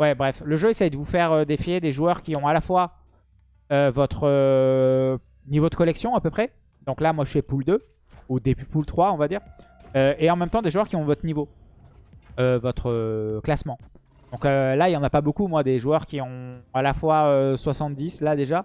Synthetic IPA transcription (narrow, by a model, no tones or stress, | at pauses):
wɛbʁɛfləʒøesɛjd̪əvufɛʁød̪efjed̪eʒuœʁkʲiɔ̃alafwa | øvɔt̪χə | nivod̪əkɔlɛksjɔ̃apøpχɛ | d̪ɔ̃klamwaʒəsɥɛpuld̪ø | ud̪eppult̪χwaɔ̃vad̪iːʁøeɑ̃mɛmt̪ɑ̃d̪eʒuœʁkʲiɔ̃vɔt̪χnivo | øvɔt̪χəklasmɑ̃ | d̪ɔ̃kølailjɑ̃napabokumwad̪eʒuœʁkʲiɔ̃alafwaøswasɑ̃t̪̚d̪islad̪eʒa